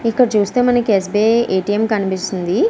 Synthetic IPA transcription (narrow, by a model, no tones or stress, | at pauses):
ikːɐɽɐt͡ʃuːst̪e̞ːmɐnɐkies̬beːeːʈijemkɐnipist̪und̪i